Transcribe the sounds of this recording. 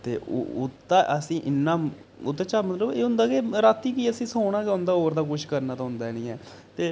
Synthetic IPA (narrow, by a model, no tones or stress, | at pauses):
t̪ḛːʔo̰ʊ̰t̪ːaːʔəsĩːʔɪnːaːʊt̪ːeːt͡ʃaːmət̪ləbeːɦʊ̃nd̪aːkeːɾaːt̪iːkiːəsĩːsoːɽ̃ãːkeʊ̃nd̪aːɦoːɾd̪aːk̬ʊʃʰkəɾnaːt̪ãːɦʊ̃nd̪aːniːɛː | t̪eː